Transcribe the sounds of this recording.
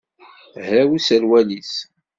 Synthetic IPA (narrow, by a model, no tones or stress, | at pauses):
hɾæwisæɾwælis